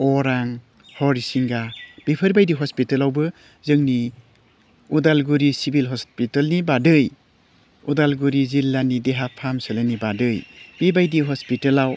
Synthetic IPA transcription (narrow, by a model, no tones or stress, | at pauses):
ɔɾaŋ | hɔɾisiŋɡab̥ipʰəɾbajdiɦɔspitɐlawbɯ | zɯŋni | udalɡuɾisibʱilɦɔspitəlnibadɯj | udalɡuɾizilːanideɦapʰamsəlanibadɯjb̥ebajdiɦɔspitəlaw